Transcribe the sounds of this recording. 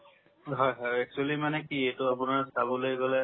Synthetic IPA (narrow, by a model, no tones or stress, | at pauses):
ɦɔjɦɔjɛk̚t͡ʃualimanɛkiejtʊapʊnaɹsabɔlojɡɔlɛ